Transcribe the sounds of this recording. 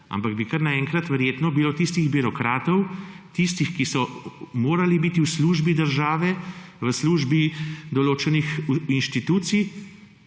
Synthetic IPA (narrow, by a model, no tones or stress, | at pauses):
a̰mpaɡ̚bikɐɾnaɛŋkɾat̪ʋɛɾjeːt̪nɔbilot̪ist̪iɣbiɾɔkɾaːt̪ɔwt̪ist̪ixkisɔmoːɾalibiːt̪iwsluːʒbid̪əɾʒaːʋɛʋəsluːʒbid̪ɔloːt͡ʃɛnixinʃt̪it̪uːt̪sij